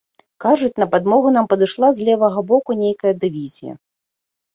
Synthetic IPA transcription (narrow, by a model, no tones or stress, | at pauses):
kaʐut͡sʲnɐpad̪mɔɣunampɐd̪ɨʂlˠazʲlʲɛvɐɣɐbɔkunʲejkɐjɐd̪ɨvʲizʲijɐ̰